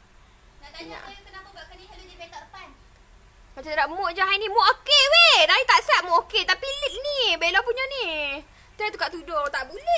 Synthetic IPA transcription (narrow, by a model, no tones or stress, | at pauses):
aaja̰kənaaakəniibet̪aəpan | kat͡ʃaɾaʔmoʔd͡ʒaɦanimoʔokeʔwedait̪aʔsaʔ̚moʔoket̪apilit̪̚nibelapuɲəni | t̪at̪ukaʔt̪udot̪aʔbule